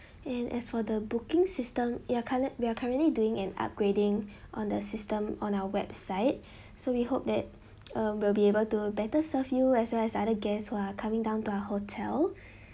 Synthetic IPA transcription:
ɛ̃nʔɛ̰sfɔdəbukɪ̃ŋsɪstə̃mwiakʰaɹəwiakʰaɹə̃nʔliduɪ̃ŋɛ̃na̰p̚ɡ̥ɹedɪ̃ŋʔɔ̃ndəsɪstə̃mɔ̃nawəwɛbsaɪt̚ | sowihop̚dɛt̚ | ʌ̃wilbiebəltubɛtəsəfjuɛswɛlɛsadəɡɛshuakʰamɪ̃ŋdãʊ̃ntuaəhotʰɛl

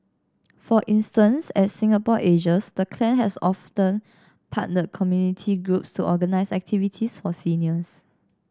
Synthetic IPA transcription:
fɔʔĩnstə̃nsɛtsĩŋapɔʔed͡ʒəsdəkʰlɛ̃nɦɛsɔftə̃n | pʰa̰ʔnəkʰɔmjunitʰiɡɹupstuʔɔɡənaɪsɛ̰k̚tʰivitʰisfɔsiniəs

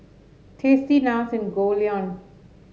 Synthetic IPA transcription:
t̪ʰesinasɪ̃nɡoliɔ̃n

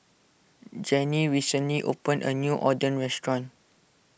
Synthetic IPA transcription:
d͡ʒɛ̃niɹisə̃nliʔo̰pə̃nʔə̰njuʔɔdə̃nɹɛstɹɔ̃n

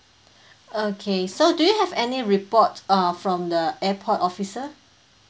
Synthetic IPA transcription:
okʰesodujuhɛvɛniɹipɔtʌ̃fɹɔ̃mdəɛpʰɔtɔfisə

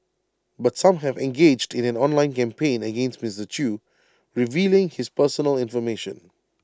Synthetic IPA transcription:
batsãmɦɛvɛ̃nɡeːd͡ʒdɪ̃nɛ̃nɔ̃nlãɪ̃nkɛ̃mpʰẽɪ̃nəɡẽnstmɪsdət͡ʃʰu | ɹɪviːlɪ̃ŋhɪspɜsənəlɪ̃nfɔmeʃə̰̃n

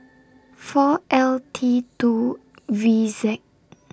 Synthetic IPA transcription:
fɔʔɛltʰitu | vizɛk̚

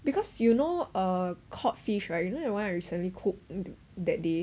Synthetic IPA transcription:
bikʰɔsjunoəkʰɔt̚fiʃɹaɪt̚junodɛwãnaɪɹisə̃nlikʰuk̚ | dɛt̚de

